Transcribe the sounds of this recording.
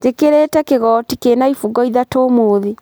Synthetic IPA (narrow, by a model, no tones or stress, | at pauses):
d͡ʒekeɾetɛkeɣɔːtikeːnaifuɡɔiðatoːmoːðe